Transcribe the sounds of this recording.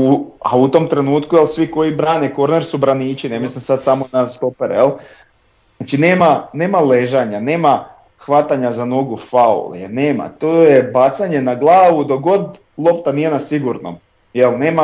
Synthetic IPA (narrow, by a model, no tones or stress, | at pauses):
uaut̪o̞mt̪ɾe̞nuːt̪kujelsʋiko̞jibɾaːneko̞ɾneɾsubɾaniːt͡ʃinemislimsad̪samonast̪opeɾjelˠ | at͡ʃineːmane̞ːmaleʒaɲane̞ːma | xʋat̪aɲazano̞ɡufaṵljeneːma̰t̪oːjebat̪saɲe̞naɡlˠaːʋud̪oɡo̞d̪ | lˠo̞pt̪anijenasiɡuɾno̰m | jelˠne̞ːma